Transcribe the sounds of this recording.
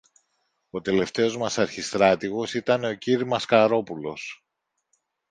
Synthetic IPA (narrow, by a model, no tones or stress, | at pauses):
o̞t̪e̞le̞ft̪e̞o̞zmɐsɐɾçist̪ɾɐt̪iɣo̞sit̪ɐne̞o̞ciɾimɐskɐɾo̞pulo̞s